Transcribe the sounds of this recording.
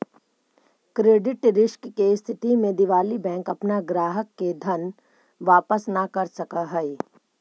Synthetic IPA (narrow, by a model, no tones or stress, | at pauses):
kɾeːɖɪʈɾɪʃkkeɪst̪ʰɪt̪imẽd̪ɪʋaːlibɛ̃ːŋkɐpnaɡɾaːɦəkːed̪ʱɐn | ʋaːpəsnakɐɾsɐkaɦɛe